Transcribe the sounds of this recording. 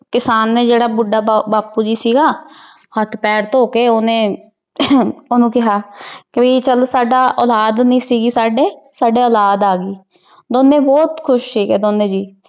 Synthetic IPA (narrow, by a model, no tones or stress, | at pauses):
kɪsaːnːẽːd͡ʒeːɽaːbʊɖaːbaːpuːd͡ʒiːsiːɡaː | hət̪ʰpɛːɾt̪oːkeːoːnẽː | oːnũːkɪɦaːkɪbiːt͡ʃəlsaːɖaːʔɔːlaːd̪nĩːsiːɡiːsaːɖeːsaːɖeːɔːlaːd̪aːɡiː | d̪oːnːẽːbɔːt̪kʰʊʃʈʰiːkɦɛːd̪oːnːẽːd͡ʒiː